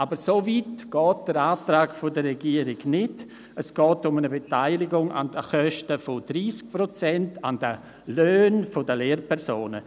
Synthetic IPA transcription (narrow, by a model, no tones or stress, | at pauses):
abəɾsoviːtɡ̥ɔːt̚d̥əɾaːtɾaːkfodərɛɡiːəɾɪɡnɪd | əsɡ̥ɔːtʊmənəbetaɪlɪɡʊŋa̰ndəχœʃtəfodɾiːsk̚pɾot͡sɛntandə | løːnfodəleːɾpʰɛɾsoːnə̰